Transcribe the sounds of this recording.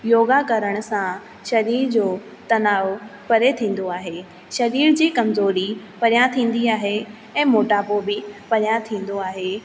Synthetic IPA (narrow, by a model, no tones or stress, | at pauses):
joːɡakɐɾəɽ̃ʊ̆sã | ʃɐɾiːɾd͡ʑoː | t̪ɐnaːʋpɐɾet̪ʰĩːn̆d̪oaːɦeː | ʃɐɾiːɾd͡ʑiːkɐmzoːɾi | pɐɾjãt̪ʰĩːn̆d̪iaːɦe | ɛ̃ːmoːʈapobɪpɐɾjãt̪ʰĩːn̆d̪oaːɦeː